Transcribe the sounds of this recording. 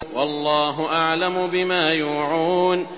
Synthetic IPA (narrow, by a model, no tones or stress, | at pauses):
wɑlˤːɑːɦʊʔaʕlamʊbɪmaːjuːʕuːn